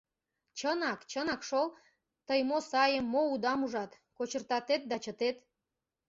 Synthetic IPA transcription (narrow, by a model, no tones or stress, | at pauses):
t͡ɕənɑkt͡ɕənɑkʃol | t̪əjmosɑjəmːoud̪ɑmuʒɑt̪ | kot͡ɕərt̪ɑt̪et̪̚d̪ɑt͡ɕət̪et̪